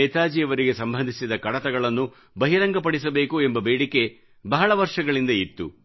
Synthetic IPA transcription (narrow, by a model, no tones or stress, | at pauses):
ɛːt̪aːd͡ʒijɐʋɐɾiɡe̞sɐmbʱɐnd̪ʱisid̪ɐkɐɽɐt̪ɐɡɐɭɐnːu | bɐɦiɾɐŋɡɐp̬ɐɽis̬ɐbe̞ːkuembɐbeːɽike̞ | bɐɦɐɭɐʋɐɾʂɐɡɐɭind̪ɐit̪ːṵ